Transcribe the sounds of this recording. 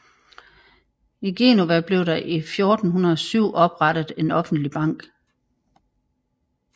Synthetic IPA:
iɡ̥e̝ːnoʋæb̥le̝ʊɾ̥ɑ̈ʔifjo̝ːd̥n̩ɦunɐðˠɒ̽syʊ̰ʔɒ̽b̥ʁɑɾ̥ð̩ˠe̝nɒ̽fn̩d̥lib̥ɑ̈ŋ̰ɡ̥

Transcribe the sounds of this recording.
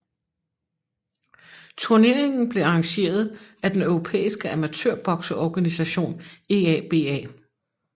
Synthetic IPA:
t͡sʰuɐne̝ɐ̰eŋn̩b̥le̝ɑ̈ɑŋɕe̝̰ːɐð̞̩ˠæd̥enœʊʁo̝pʰḛːisɡ̥əæmæt͡sʰøɐb̥ɒɡ̥sɐɒɡ̥ænisæɕo̝̰ːne̝ːɛːb̥e̝̰ːɛ̰ː

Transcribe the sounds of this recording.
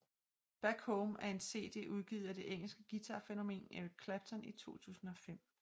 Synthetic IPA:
b̥æɡ̥homæɐe̝nse̝̰ːd̥e̝̰ːʔuð̞ˠɡ̥ḭːðˠɐd̥e̝ʔeŋ̰l̩sɡ̥əɡ̥it͡sʰɑ̈feno̝me̝̰ːnei̥kʰlæb̥̚t͡sʰɒnit͡sʰo̝̰ːt͡sʰṵːsn̩ɒ̽fem̰

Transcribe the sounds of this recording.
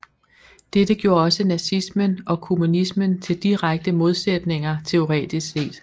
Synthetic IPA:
d̥ed̥əɡ̥jo̝̰ːɐɒ̽sənæsismənʔɒ̽kʰo̝munismənt͡sʰe̝ld̥iʁaɡ̥̚d̥əmo̝ð̞ˠsed̥ne̝ŋɐt͡sʰe̝o̝ʁɛ̰ːd̥isse̝̰ːd̥

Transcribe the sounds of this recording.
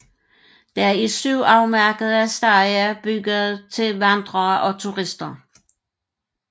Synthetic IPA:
d̥ɑæɐisyʊ̰ɑ̈ʊmæɐɡ̥əð̩ˠæsd̥ɑjæb̥yɡ̥əð̩ˠt͡sʰe̝lʋænd̥ʁɐːʔɒ̽t͡sʰuʁisd̥ɐ

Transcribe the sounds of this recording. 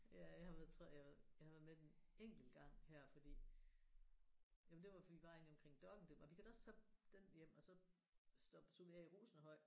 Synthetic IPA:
jæjɑ̈hɑ̈ʋæɐðˠt͡sʰʁɔɐ̰jajɑ̈hɑʋæɐðˠmed̥eneŋ̰ɡ̥l̩ɡ̥ɑ̈ŋ̰hæɐ̰fɒ̽d̥ḭː | jæmnd̥e̝ʋɑ̈iʋɑ̈ḛniɒ̽mkʰʁeŋ̰d̥ɒ̽ɡ̥n̩d̥emɒ̽ʋikʰæɾ̥ɒ̽st͡sʰɛd̥enjem̰ɒ̽sɒ̽ | sd̥ɒb̥t͡sʰo̝iɛ̰iʁuːsn̩ɦɒ̽ɪ̰̥

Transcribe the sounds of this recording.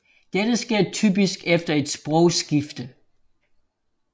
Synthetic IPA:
d̥ed̥əsɡ̥e̝ɐ̰t͡sʰy̰ːb̥isɡ̥efd̥ɐe̝d̥sb̥ʁɔʊ̰sɡ̥ifd̥ə

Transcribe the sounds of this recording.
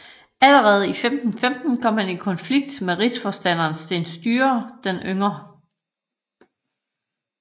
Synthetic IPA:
æləʁɛːð̞̩ˠifemd̥n̩femd̥n̩kʰɒ̽m̰hæni̝kʰɒnfliɡ̥̚d̥meʁisfɒsd̥æn̰ɐːnsd̥e̝nsd̥yːɐd̥enʔøŋɐ

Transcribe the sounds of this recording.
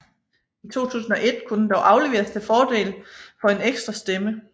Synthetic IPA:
it͡sʰo̝̰ːt͡sʰṵːsn̩ɒ̽ʔe̝d̥kʰudnd̥ɒʊʔɑ̈ʊle̝ʋe̝̰ːɐst͡sʰe̝fɒːd̥e̝̰ːlfɒ̽e̝neɡ̥sd̥ʁɐsd̥emə

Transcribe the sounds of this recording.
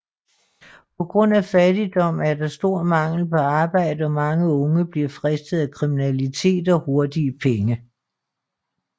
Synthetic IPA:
pʰɒ̽ɡ̥ʁɔ̽n̰æfæd̥id̥ɒ̽m̰æɐd̥ɑ̈sd̥o̝ɐ̰mɑ̈ŋ̰l̩pʰɒ̽ɑ̈ːb̥ɑ̈ɪ̰d̥əɒ̽mɑ̈ŋəɔ̽ŋəb̥liɐfʁɛsd̥ð̩ˠækʰʁiminælit͡sʰe̝̰ːd̥ɒ̽ho̝ɐd̥iəpʰeŋə

